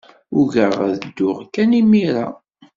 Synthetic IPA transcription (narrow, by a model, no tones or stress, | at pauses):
ʊʝəʁðəd̪ːʊʁkænimiɾa̰